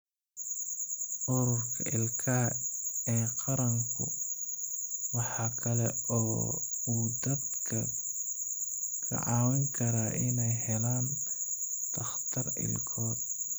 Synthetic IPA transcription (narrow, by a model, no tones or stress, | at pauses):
ʔʊɾʊrkʰɐ̰ʔɪlkʰɐ | ɛːqɑɾɐŋkʰʊ | wɑħɑːkʰɐlɛɔː | uːd̪ɐd̪kʰɐ | kʰɐ̰ʕɑːwɛŋkʰɐɾaːʔɪnɛjhɛlaːn | t̪ʰɐχt̪ʰɐrɪ̰lkʰɔːd̪̚